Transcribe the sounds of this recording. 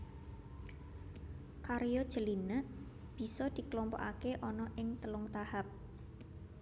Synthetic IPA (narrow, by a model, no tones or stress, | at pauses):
kaɾjɔd̥ʒ̥ə̤linəʔ | b̥i̤sɔd̪̥i̤klɔmpɔ̰ʔakeʔɔnɔʔɪŋt̪əlʊŋt̪ahap̚